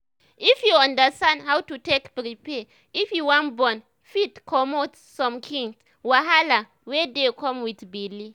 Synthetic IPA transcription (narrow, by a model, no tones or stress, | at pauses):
ifjuãndəstãndhawtutekpɾipɛ | ifjuwãnbɔ̃n | fitkʰɔmot | sɔ̃mkʰĩŋs | waɦala | wɛdekʰɔ̃mwidbili